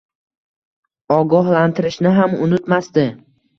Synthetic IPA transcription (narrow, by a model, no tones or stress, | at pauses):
ɒɡɒɦlant̪ʰɪɾɪʃnɪɦamʊnɪt̪masd̪ɪ